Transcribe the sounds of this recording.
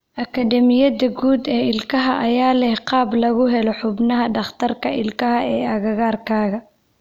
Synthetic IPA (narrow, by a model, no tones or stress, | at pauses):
ʔɐkʰɐd̪ɛmɪjɐdɐɡuːd̪ɛːɪlkʰɐɦɐʔɐjaːlɛhqɑːblɐɣʊɦɛlɔħʊbnɐɦɐɖɑχt̪ʰɐrkʰɐɪlkʰɐɦɐɛːɐɣɐɣaːrkʰaːɣɐ